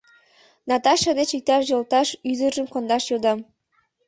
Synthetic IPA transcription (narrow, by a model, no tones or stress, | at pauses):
nɑt̪ɑʃɑd̪et͡ɕik̚t̪ɑʃjolˠt̪ɑʃyzə̆ʒə̆mkond̪ɑʃjod̪ɑm